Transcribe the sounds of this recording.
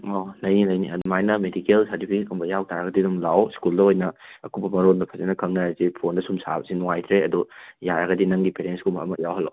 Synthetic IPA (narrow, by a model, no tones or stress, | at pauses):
onɐjninɐjniɐdmajnɐmedikelsɐɾtipʰikʰumbɐjawtʰaɾɐɡɐdidumlawskuldɐojnɐɐkubɐmɐɾondɐpʰɐzenɐkʰɐŋnajazipʰondɐsumsa̰bɐsinuŋajtʰɾeɐdujaɾɐɡɐdinɐŋɡipeɾenskumɐɐ̰mɐjawɦɐla̰w